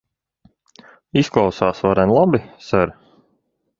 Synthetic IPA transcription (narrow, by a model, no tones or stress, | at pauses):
isklˠawsaːsvaɾɛnlˠabisaɾ